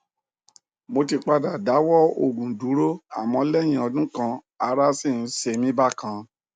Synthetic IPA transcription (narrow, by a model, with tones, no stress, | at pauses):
mo˧ti˧k͡pa˧da˨da˨˦wɔ˦o˨ɡũ˨du˨˦ɾo˦a̰˦˨mɔ̃˧lɛ˦˨j̃ĩ˧ɔ˧dũ˦kã˧ | a˧ɾa˦sĩ˦˨˦se˧mĩ˦ba˦˨kã˧